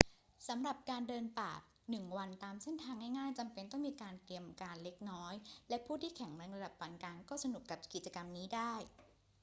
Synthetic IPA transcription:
sa˩˦mɾa˨˩p̚kaː˧ndɤː˧npa̰ː˨˩k̚ | nɯ˨˩ŋwa˧nt̪aː˧mse˥˩nt̪ʰaː˧ŋha˥˩jŋaː˥˩jt͡ɕa˧mpe˧nt̪ɔ˥˩ŋmiː˧kaː˧nt̪ɾi˧əmkaː˧nle˦˥k̚nɔː˦˥jlɛ˦˥pʰuː˥˩t̪ʰiː˥˩kʰɛ˩˦ŋɾɛ˧ŋɾa˧da˨˩p̚ːa˨˩˦nkaː˧ŋkɔː˥˩sa˧nu˨˩kːa˨˩p̚ki˨˩t̪̚t͡ɕa˧ka˧mniː˦˥daː˥˩j

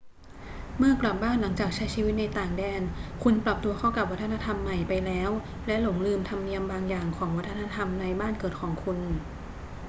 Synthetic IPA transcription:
mɯ˥˩ɐkla˨˩p̚baː˥˩nla˩˦ŋt͡ɕaː˨˩k̚t͡ɕʰa˦˥jt͡ɕʰiː˧wi˦˥t̪̚na˧jt̪aː˨˩ŋdɛː˧nkʰu˧npɾa˨˩p̚t̪u˧ɐkʰɔ˧˥˩ka˨˩p̚wa˦˥t̪ʰːna˧t̪ʰa˧mːa˨˩jpa˧jlɛː˦˥w | lɛ˦˥lo˩˦ŋlɯː˧mt̪ʰa˧mni˧əmbaː˧ŋjaː˨˩ŋkʰɔː˩˦ŋwa˦˥t̪ʰːna˧˥t̪ʰa˧mna˧jbaː˥˩nkɤː˨˩t̪̚kʰɔː˩˦ŋkʰu˧n

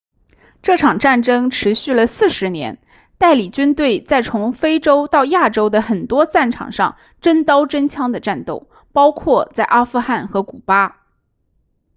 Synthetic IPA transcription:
ʈ͡ʂɤ˥˩ʈ͡ʂʰɑ˨˩ŋʈ͡ʂa˥˩nʈ͡ʂɤ˥ŋʈ͡ʂʰɻ̩˧˥ɕy˥˩lə˩sɹ̩˥˩ʂɻ̩˧˥njɛ̰˧˥n | t̪a˥˩ɪli˨˩t͡ɕy˥nt̪we˥˩ɪt͡sa˥˩ɪt͡sʰʊ˧˥ŋfe˥ɪʈ͡ʂo˥ʊt̪ɑ˥˧ʊja˥˩ʈ͡ʂo˥ʊd̪ə˨xə˨˩nt̪wɔ˥t͡sa˥˩nʈ͡ʂʰɑ̰˨˩ŋʂɑ̰˥˧ŋ | ʈ͡ʂə˥nt̪ɑ˥ʊʈ͡ʂə˥nt͡ɕʰjɑ˥ŋd̪ə˨ʈ͡ʂa˥˧nt̪o˥˩ʊ | pɑ˥ʊkʰwɔ˥˧t͡sa˥˩ɪʔa˥fu˥˧xa˥˩nxɤ˧˥ku˨˩pa˥

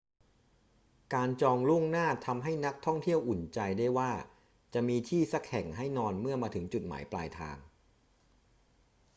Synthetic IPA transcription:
kaː˧nt͡ɕɔː˧ŋlu˥˩əŋnaː˥˩t̪ʰa˧mɦa˥˩jna˦˥k̚t̪ʰɔ˥˩ŋt̪ʰi˥˩əwʔu˨˩nt͡ɕa˧jda˥˩jwaː˥˩ | t͡ɕa˨˩miː˧t̪ʰiː˥˩sa˦˥k̚hɛ˨˩ŋɦa˥˩jnɔː˧nmɯ˥˩ɐəmaː˧t̪ʰɯ˩˦ŋt͡ɕu˨˩t̪̚ma̰ː˩˦jpla̰ː˧jt̪ʰa̰ː˧ŋ

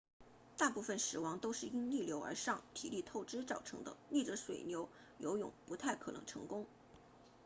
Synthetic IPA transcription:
t̪a˥˧pu˥˩fə˨˩nʂɻ̩˨˩wɑ˧˥ŋt̪o˥ʊʂɻ̩˥˩i˥nni˥˩ljo˧˥ʊə̰˞˧˥ʂɑ˥˩ŋt̪ʰḭ˨˩li˥˧t̪ʰo˥˩ʊʈ͡ʂɻ̩˥t͡sɑ˨˩ʊʈ͡ʂʰɤ˧˥ŋd̪ə̰˧ni˥˩ʈ͡ʂə˧˥ʂwḛ˨˩ɪnjo˧˥ʊ | jo̰˧˥ʊjʊ̰˨˩˦ŋpu˧˥t̪ʰa˥˩ɪkʰɤ˨˩nɤ̰˧˥ŋʈ͡ʂʰɤ̰˧˥ŋkʊ˥ŋ

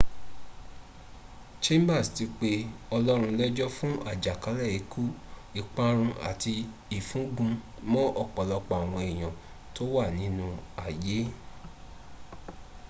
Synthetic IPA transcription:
t͡ʃẽ˦mba˦˨sti˧k͡pe˧ɔ˧lɔ˦ɾ̃ũ˧lɛ˦d͡ʒɔ˦fũ˦ʔa˦˨d͡ʒa˨ka˨˦lɛ˦˨i˨˦kʰu˦i˨k͡pã˧ɾ̃ũ˧a̰˨ti˧ | i˨fũ˨˦ɡũ˧mɔ̃˦ʔɔ˦˨k͡pɔ˨lɔ˧k͡pa˨w̃ɔ̃˧e˨j̃ɔ̃˨ | to˦wa˦˨nĩ˨˦nũ˧a˨je˨˦

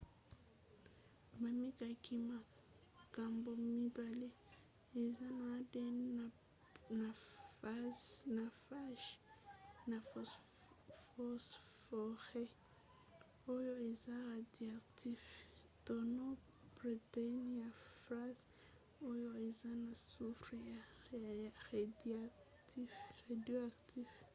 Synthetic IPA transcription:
ba˨mi˦ka˨ki˦ma˨ | ka˨mbo˨mi˦ba˨le˦ | e˨za˦na˨˦de˦ | na˨ | na˨fa˦ʃ | na˨ | fɔ˦sfɔ˨ɾɛ | o˦joi˨za˦ɾadiaktif | tɔnɔ | b̥ritaniafɾas | o˦joi˨za˦na˨sufɾija | ɾada | tiadioaktiv

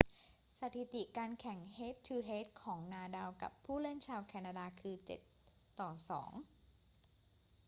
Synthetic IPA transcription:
sa˧˩t̪ʰi˨˩t̪i˨˩kaː˧nkʰɛ˨˩˦ŋheː˦˥t̪̚ʰːɯː˧ɦeː˦˥t̪̚kʰɔː˩˦ŋnaː˧daː˧wka̰˨˩pʰːuː˥˩lɯ˥˩nt͡ɕʰaː˧wkʰɛː˧naː˧daː˧kʰɯː˧t͡ɕḛ˨˩t̪ː | ɔː˨˩sɔ̰ː˩˦ŋ

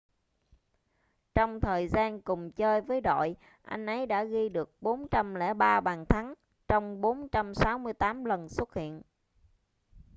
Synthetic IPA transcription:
t͡ɕɔ˧wŋ͡mt̪ʰəː˨˩jzaː˧nkʊ˨˩ŋ͡mt͡ɕəː˧jvəː˨˦jɗo̰˧˨j | ʔa̰˧jŋ̟ʔə˨˦jɗa̰ː˧˥ɣi˧ɗɨ˨˩ək̚ɓo˨˦nt͡ɕa˧mlɛ̰˧˥ɓaː˧ɓaː˨˩nt̪ʰa˨˦ŋ | t͡ɕɔ˧wŋ͡mɓo˨˦nt͡ɕa˧msaː˨˦wmɨ˧əjt̪aː˨˦mlə˨˩nswə˦˥t̚hḭ˧˨ən

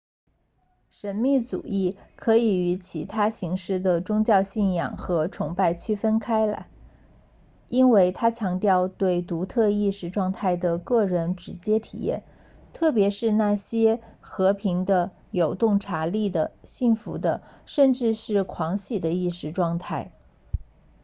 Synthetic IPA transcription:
ʂə˧˥nmi˥˩t͡sṵ˨˩i˥˩kʰɤ˧˥i˨˩y˧˥t͡ɕʰi˧˥t̪ʰa˥ɕi˧˥ŋʂɻ̩˥˩d̪ə˩ʈ͡ʂʊ˥ŋt͡ɕjɑ˥˧ʊɕi˥˩njɑ̰˨˩ŋxɤ˧˥ʈ͡ʂʰʊ˧˥ŋpa˥˩ɪt͡ɕʰy˥˩fə˥nkʰa˥ɪlə̰˨˩ | i˥nwe˥˩ɪt̪ʰa˥t͡ɕʰjɑ˧˥ŋt̪jɑ˥˧ʊt̪we˥˩ɪt̪u˧˥t̪ʰɤ˥˧i˥˧ʂɻ̩˥ʈ͡ʂwɑ˥˧ŋt̪ʰa˥˩ɪd̪ə˩kɤ˥˩ɻə˧˥nʈ͡ʂɻ̩˧˥t͡ɕjɛ˥t̪ʰḭ˨˩jɛ̰˥˩n | t̪ʰɤ˥˩pjɛ˧˥ʂɻ̩˥˧na˥˩ɕjɛ˥xɤ˧˥pʰi˧˥ŋd̪ə˧ | jo˨˩ʊt̪ʊ˥˩ŋʈ͡ʂʰa˧˥li˥˩d̪ə˩ɕi˥˩ŋfu˧˥d̪ə˧ʂə˥˧nʈ͡ʂɻ̩˥˧ʂɻ̩˥˩kʰwɑ˧˥ŋɕi˨˩d̪ə˦i˥˩ʂɻ̩˧˥ʈ͡ʂwɑ˥˧ŋt̪ʰa˥˩ɪ

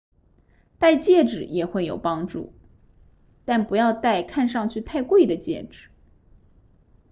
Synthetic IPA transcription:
t̪a˥˧ɪt͡ɕjɛ˥˩ʈ͡ʂɻ̩˨˩jɛ˨˩xwe˥˩ɪjo̰˨˩ʊpɑ˥ŋʈ͡ʂṵ˥˩ | t̪a˥˩npu˧˥jɑ˥˧ʊt̪a˥˧ɪkʰa˥˧nʂɑ˥˧ŋt͡ɕʰy˥˧t̪ʰa˥˧ɪkwe˥˩ɪd̪ə˩t͡ɕjɛ̰˥˩ʈ͡ʂɻ̩˨˩˦

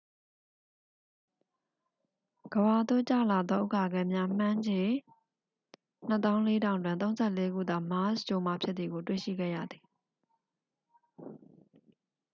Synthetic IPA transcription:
ɡ̥əba˨d̪o̰˦˨t͡ɕä̰˦˨la˨d̪ðɔ˦ʔo̰˦˨ka˨ɡɛ˨mja˦m̥ã˦ɲd͡ʑe˨ | n̥ə˦t̪ã˦ʊ̃le˦ɾã˦˨ʊ̃ndwɪ̃˨nt̪õ˦ʊ̃nz̥ɛ˦˨le˦ɡṵ˦˨d̪a˨ma˦sd͡ʑɔ˨ma̰˦˨pʰjɪ˦t̪̚t̪ði˨ɡo˨twḛ˦˨ʃḭ˦˨ɡɛ̰˦˨jä̰˦˨d̪ði˨

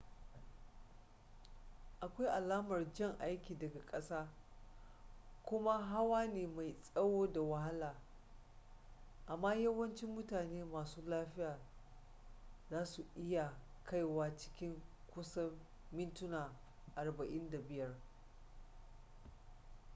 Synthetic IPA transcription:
ʔa˨kʷa˦jʔa˨laː˦mɐ˨rd͡ʒɛ˦˨ŋʔa˦jkʲiː˨dɐ˨ɡa˨kʼɐ˦saː˦ | kʷʊ˦ma˦ɦa˦waː˦neː˨ma˨jsʼɐ˦woː˦da˨wɐ˦ɦa˦laː˨ | ʔa˨mːaː˦jɐ˦wɐ˦nt͡ʃɪ˦mːʊ˦taː˨neː˦maː˨suː˦laː˦ɸɪ˦jaː˨ | zaː˦su˨ʔɪ˦ja˨ | kʰa˦˨jwaː˦t͡ʃɪ̥˦kʲɪ˦ŋ | kʷʊ˦sɐ˦mː | ɪ˦ntʊ˦naː˨ | ʔa˨rbɐ˨ʔɪ˦nda˨bɪ˦jɐ˦r

